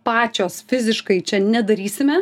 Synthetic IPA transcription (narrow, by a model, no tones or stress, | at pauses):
pɑːt͡ʃʲoːsfʲɪzʲɪʃkɐɪt͡ʃʲɛnʲɛd̪ɐɾʲiːsʲɪmʲɛ